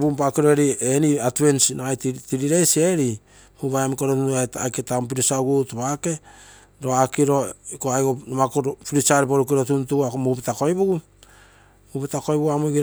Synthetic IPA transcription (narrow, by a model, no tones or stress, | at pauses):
bumpakiɾoeɾieniatβensnaajttiɾiɾe̞jsie̞ɾi | muβajamkoɾotuuata̰jketamp̬iɾisauɡutoβake̞ | ɾo̞akiɾo̞koajɡonomakoɾpiɾit͡ʃaɾipoɾukiɾo̞tuntuɡuakomupetako̞jbuɡu | mupetako̞jbuɡuamujɡiɾ